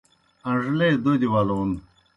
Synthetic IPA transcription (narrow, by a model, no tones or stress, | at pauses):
ɐʐled̪od̪iwaloun